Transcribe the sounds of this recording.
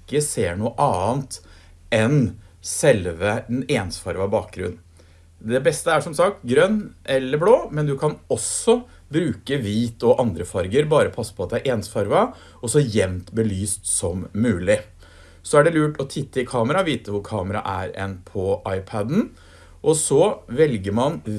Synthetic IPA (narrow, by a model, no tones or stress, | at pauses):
ɪkːəseːɳuːəʔɑːnt̪ | ɛn | sɛlʋəɛneːnsfɑɾʋɑbɑːk̚ɡɾʉ̰nː | d̪ɛbɛst̪əæʂɔmsɑk̚t̪ɡɾœnːʔɛlːəbloːmɛnd̪ʉkʰɑnɔsɔ | bɾʉːkəʋiːt̪ɔʔɑnd̪ɾəfɑɾɡəɾbɑːɾəpʰɑsːə̥pʰɔɑt̪̚d̪ɛæɾʔeːnsfɑɾʋɑ | ɔsɔjɛmt̪bəlyːst̪sɔmːʉːlɪ | sɔæɖɛlʉːʈɔt̪ʰɪt̪ːəɪkʰɑːməɾɑʋiːt̪əʋʊɾkʰɑːməɾɑ̰ʔæ̰ɾɛ̰npʰɔʔɑɪpʰæd̪n̩ | ʔɔsɔʋɛlɡəɾmɑn